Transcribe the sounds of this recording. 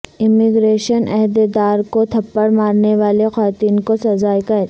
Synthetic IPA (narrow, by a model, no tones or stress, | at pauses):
ɪmɪɡɾeːʃənʔɛɦd̪ed̪aːɾkot̪ʰɐpːəɽmaːɾneʋaːlexʋaːt̪iːnkosɐzaːjkɐ